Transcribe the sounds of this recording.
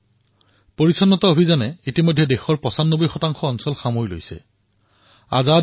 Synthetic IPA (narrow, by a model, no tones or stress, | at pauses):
poɹisɔnːɔtɔobʱizanɛitimojdʱɛdexɔɹpɔsanːobojxɔtaŋxɔːnsɔlxamoɹjlo̰jsɛ̰ | a̰za